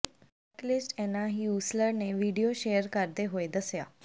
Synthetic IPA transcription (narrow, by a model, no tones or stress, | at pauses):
ɛklisʈɛnːaɦiusləɾneʋiɽijoɕejəɾkaɾd̪eɦoed̪əsja